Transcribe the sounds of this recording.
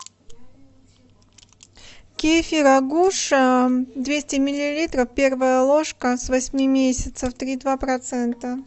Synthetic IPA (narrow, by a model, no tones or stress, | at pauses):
kʲefʲiɾɐɡuʂəd̪vʲesʲtʲɪmʲɪlʲɪlʲit̪ɾəfpʲe̞rvəjəlˠoʂkəsvɐsʲmʲimʲesʲɪt̪səft̪ɾʲid̪vapɾɐt̪sɛnt̪ə